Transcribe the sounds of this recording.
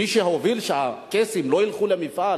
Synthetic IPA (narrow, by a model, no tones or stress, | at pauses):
iʃehaovilʃeakesimloilχulemifa